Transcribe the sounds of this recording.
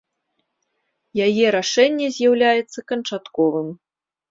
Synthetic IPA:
jajɛɾaʂɛnʲːɛzʲjawlʲajɛt̪sːɐkɐnt͡ʂat̪kɔvɨm

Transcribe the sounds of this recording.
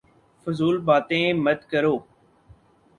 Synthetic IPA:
fʊzuːlbaːt̪ẽːməd̪kəɾoː

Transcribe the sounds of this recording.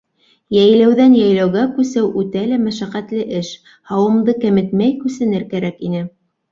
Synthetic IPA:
jæjlæwðænjæjlæwɣækʉsɘwʔʉt̪ælæmæʃæqæt̪lɘʔɘʃ | hɑwɤ̆md̪ɤkæmɘ̆t̪mæjkʉsɘ̆nɘɾkæɾækinɘ

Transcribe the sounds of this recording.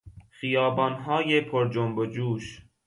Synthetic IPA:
xijɒːbɒːnɦɒːjepʰoɾd͡ʒombod͡ʒuːʃ

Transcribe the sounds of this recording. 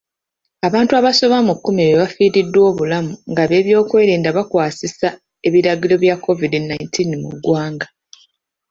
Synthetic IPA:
aβaːntuaβaso̞βamukːumieβeβafiːɾidːwo̞ːβulamuŋɡaβe̞ːβjo̞ːkwe̞ːɾeːndaβakwaːsisa | e̞βiɾaɡilo̞βjakʰːo̞vidinaintʰinmṵɡwaːŋɡa

